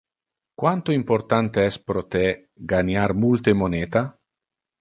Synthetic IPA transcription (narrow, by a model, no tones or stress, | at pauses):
kwant̪oimport̪ant̪eɛspɾot̪e | ɡanarmult̪emoneːt̪a